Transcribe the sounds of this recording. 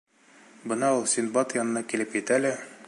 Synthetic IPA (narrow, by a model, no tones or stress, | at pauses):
bɤ̆nɑulˠsʲinbɑt̪jɒnɤ̆nɑkilɘpjɘ̆t̪ælæ